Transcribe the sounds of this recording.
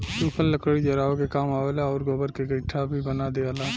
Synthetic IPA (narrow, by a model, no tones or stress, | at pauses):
suːkʰəlləkəɽid͡ʒɐɾaːokekaːmaːwelaɔːɾɡobəɾkeɡəʈʰːabʱibənad̪ealaː